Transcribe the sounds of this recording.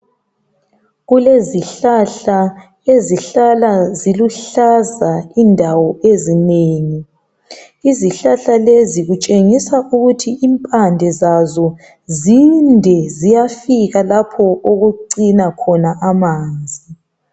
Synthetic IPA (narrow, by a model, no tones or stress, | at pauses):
ɣuleziɬaɬa | eziɬalaziluɬazaindʱawɔezineːŋi | iziɬaɬaleziɣut͡ʃʼeŋisaʔuɣutʰiʔimpʼandʱɛzazɔ | zindʱɛzijafiɣalapʰɔʔoɣuǃinakʰɔnaʔamaːnd͡zʱi